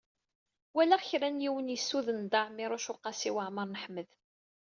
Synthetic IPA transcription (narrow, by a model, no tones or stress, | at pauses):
wælæʁçɾænjiwənjəsːuðənd̪ɑʕmiɾˤʊʃʊqːɑsiwəʕməɾˤnəħməð